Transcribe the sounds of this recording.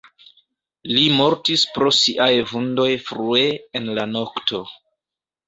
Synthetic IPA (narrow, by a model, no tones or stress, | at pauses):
limo̞ɾtispɾo̞siʔajvundo̞jfɾueenlano̞ktʰo̞